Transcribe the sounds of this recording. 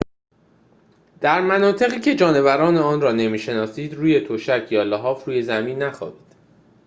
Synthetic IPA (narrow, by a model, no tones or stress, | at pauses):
d̪̥æɾmænɒːt̪ʰe̞ɣiːcʰe̞d͡ʒɒːne̞væɾɒːneɒːnrɒːne̞miːʃe̞nɒːsiːd̪ruːje̞t̪ʰoʃæcʰjɒːlɒɦɒːfɾuːje̞zæmiːnːæxɒ̰ːbiːd̪̥